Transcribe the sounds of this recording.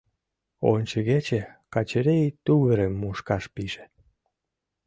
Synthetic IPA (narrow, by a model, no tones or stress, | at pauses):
o̰nʲt͡ɕeɣet͡ɕekɑt͡ɕeɾet̪uɣəɾemːuʃkɑʃpiʒe̥